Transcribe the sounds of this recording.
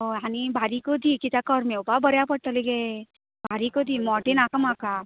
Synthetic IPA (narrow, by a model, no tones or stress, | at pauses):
ɦojanibʱaɾikod̪ʱikit̪akɔɾmeopabəɾjapəɽt̪aliɡe | bʱaɾikod̪imɔʈenakəmaka